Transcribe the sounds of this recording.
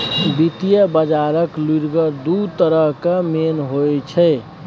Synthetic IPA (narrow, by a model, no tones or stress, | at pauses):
bit̪ijəbəd͡ʒaɾəkluɾɡəɾd̪ut̪əɾəɦkamenɦojt͡ʃʰɛ